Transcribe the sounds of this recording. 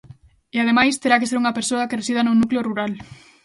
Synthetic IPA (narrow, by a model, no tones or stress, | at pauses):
eað̞emajst̪eɾak̬eseɾuŋɐpeɾsoɐkeresið̞ɐnʊnukleoruɾal